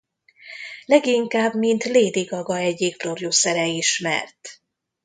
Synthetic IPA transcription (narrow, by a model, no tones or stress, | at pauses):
lɛɡiŋkaːbmint̪leːd̪iɡɒɡɒɛɟiːk̚prorjosɛɾɛiʃmɛ̰rt̪